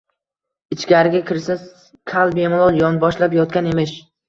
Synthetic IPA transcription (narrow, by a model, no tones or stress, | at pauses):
ɪt͡ʃkʲaɾɪɡʲakʲɪɾsɪnz | kʲʰalˠbemlˠolˠjɒnbɒʃlapjɒt̪̚kʲanemɪʃ